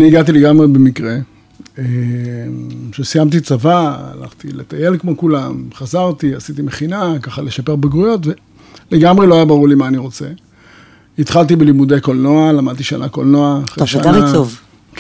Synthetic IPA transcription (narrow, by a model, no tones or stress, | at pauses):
niiɡat̪̬ileɡamʁebemikʁe̞ | emʃesijamt̪̬it͡savaa̰la̰χt̪ilet̪aje̞lkmo̞kulamχazaʁt̪iasit̪imeχinakaχaleʃape̞ʁbeɡʁujo̞t̪ve̞ | leɡamʁelo̞ajabaʁuʁlimaːniʁo̞t͡se̞ | it̪χalt̪̬ibelimud̪ejko̞lno̞alamad̪̚t̪iʃanako̰lnoaːχʁeʃannav